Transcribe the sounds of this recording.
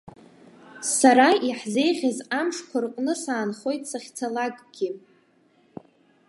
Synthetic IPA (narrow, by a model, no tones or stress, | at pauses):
saɾaiħze̞jʁʲazamʂkʷʰarqʼnɨsaːnχo̞jtʼsaχʲt͡sʰalakʼɡ̥ʲi